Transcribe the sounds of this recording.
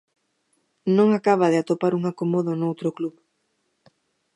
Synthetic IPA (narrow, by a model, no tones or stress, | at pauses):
nõŋakaβaðɪat̪opaɾuŋakomoðonowt̪ɾʊkluβ